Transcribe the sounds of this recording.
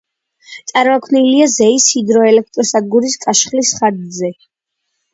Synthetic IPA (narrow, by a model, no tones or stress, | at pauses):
t̪sʼaɾmakʰwniliazɛisid̪ɾɔɛlɛk̚ʰt̪ʼɾɔsad̪̚ɡuɾiskʼaʃχlisχaɾd̪zɛ